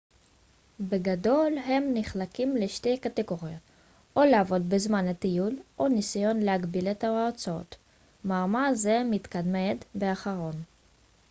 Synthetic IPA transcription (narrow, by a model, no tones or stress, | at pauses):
beɡado̞lɦe̞mniχlakimleʃtejkat̪eɡo̞ʁiot | oleavo̞d̪bezmanhat̪ijulʔonisajo̞nleaɡbilet̪aaʁt͡sao̰t̪ | maːmazemit̪kad̪med̪beaχaʁo̞n